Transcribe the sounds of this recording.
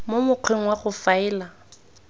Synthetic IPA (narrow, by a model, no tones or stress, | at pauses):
momʊq͡χʰeŋ̩waχʊfaɪːla